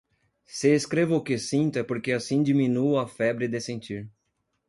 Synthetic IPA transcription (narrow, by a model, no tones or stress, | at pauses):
seeskɾevɐʊkesĩnt̪ɛpoɾkeasĩd͡ʒimĩnuɐfɛbɾɪd̪esẽnt͡ʃiɾ